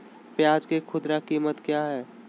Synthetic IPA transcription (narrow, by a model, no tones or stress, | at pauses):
pjaːd͡ʒkekʰʊd̪ɾakiːmət̪kjaːɦɛː